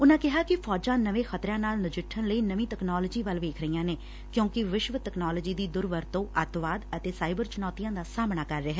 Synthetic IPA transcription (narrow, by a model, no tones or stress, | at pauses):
ʊnãːkɪɦaːkɪpʰɔːd͡ʒãːnəʋẽːxət̪ɾãːnaːlnɪd͡ʒɪʈʰːənləiːnəʋĩːt̪ɛknɔːləːd͡ʒiːʋəlʋeːkʰɾəijãːneː | kjõːkɪʋɪʃʋət̪ɛknaːləd͡ʒiːd̪iːd̪ʊɾʋəɾt̪õːʔət̪ʋaːd̪ət̪eːsaːɪbəɾt͡ʃʊnɔːt̪ijãːd̪aːsaːmɳaːkəɾːeɦɛː